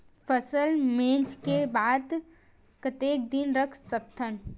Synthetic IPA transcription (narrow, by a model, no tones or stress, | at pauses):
pʰəsəlmẽnt͡ʃkebad̪ | kət̪ek̚d̪inɾəkʰsəkt̪ʰən